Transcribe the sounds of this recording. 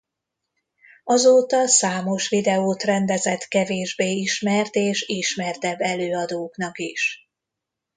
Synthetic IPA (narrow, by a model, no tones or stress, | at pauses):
ɒzoːt̪ɒsaːmo̞ʃʋid̪ɛoːt̪rɛnd̪ɛzɛt̪kɛveːʒbeːiʃmɛrt̪eːʃiʃmɛrt̪ɛbːɛløːɒd̪oːknɒkiʃ